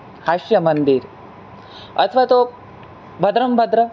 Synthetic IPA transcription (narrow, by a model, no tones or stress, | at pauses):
hɐʃjɐmɐnd̪iɾ | ɐt̪ʰʋaːt̪oː | bʱɐd̪ɾɐmbʱɐd̪ɾɐ